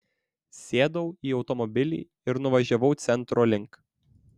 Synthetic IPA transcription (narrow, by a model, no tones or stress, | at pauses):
sʲeːd̪ɐʊiːɒʊt̪ɔmɔbʲɪlʲḭː | ɪɾnʊʋɐʒʲɛʋɐʊt̪sʲɛnt̪ɾoːlʲɪŋk